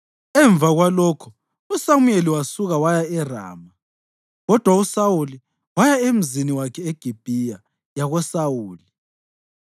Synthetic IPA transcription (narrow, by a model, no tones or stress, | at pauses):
ɛɱb̪vʱaɣwalɔkʰɔ̥ | usamwjeliwasuɣawajaɛra̰ːma | ɣɔd̥ʱwausawuli | wajaem̩ziniwakʰɛeɡ̥ʱib̥ʱija | jaɣɔsawuːli